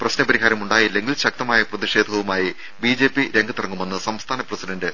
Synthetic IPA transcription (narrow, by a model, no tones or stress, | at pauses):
prɐɕnɐpɐɾiɦaːɾɐmuɳɖaːjilːe̞ŋɡilɕɐk̚t̪ɐmaːjɐprɐðiʂe̞ːd̪ʱɐʋumaːji | biːd͡ʑe̞ːpːiɾe̞ŋɡʱɐt̪urɐŋːume̞nːɨsɐmst̪ʰaːnɐprɐsidɐndɨ